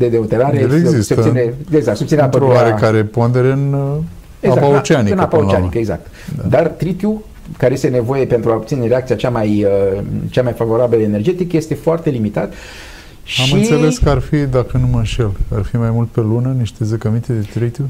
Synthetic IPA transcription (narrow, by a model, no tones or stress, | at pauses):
d̪ed̪eot̪e̞ɾaɾeezisseosineeɡzakt̪sopt̪sineapəɾoaɾekaɾepond̪e̞ɾeɨn | eɡazapaot͡ʃeaniɨnapaot͡ʃeanikəeɡza̰k̚t̪ | d̪d̪art̪ɾit̪ju | kaɾejest̪ene̞vo̞je̞pe̞nt̪ɾuaopt̪sine̞ɾeak̚t̪siat͡ʃamajət͡ʃamajfavo̞ɾabiləene̞rd͡ʒe̞t̪ikəje̞st̪e̞foart̪e̞limit̪at̪ | ʃamɨnise̞le̞skəarfid̪akənumənʃelarfimajmult̪̚pe̞lunəniʃt̪e̞zəkəmint̪ed̪et̪ɾit̪ju